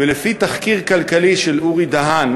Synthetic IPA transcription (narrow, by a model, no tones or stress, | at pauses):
elefit̪aχkiʁkalkaliʃeluʁid̪aɦan